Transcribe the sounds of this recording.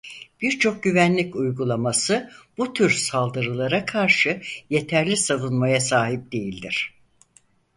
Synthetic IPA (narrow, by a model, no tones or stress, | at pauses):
b̥iɾt͡ʃʰo̞k̚ɟyvænlʲicujɡulˠamasɯb̥ut̪ʰyɾsalˠd̪ɯɾɯlˠaɾakʰaɾʃɯje̞t̪ʰæɾlʲisavunmajasaːɦip̚d̪e̞jilʲd̪iɾ̝̥